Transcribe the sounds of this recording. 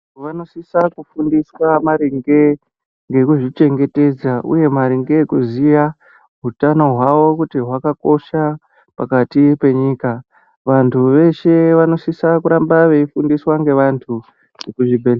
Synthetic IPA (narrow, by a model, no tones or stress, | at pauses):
ʋano̞sisakufundiswamaɾiŋɡe̞ | ŋɡe̞kuʐit͡ʃe̞ŋɡe̞te̞d͡zaʔṵje̞maɾiŋɡe̞kuzija | ɦutano̞ɦwaʋo̞kutiɦwakako̞ʃa | pakatipe̞ɲiːka | ʋantʰuʋe̞ʃe̞ʋano̞sisakuɾambaʋe̞ifundiswaŋɡe̞ʋantʰu | ekuʐibʱele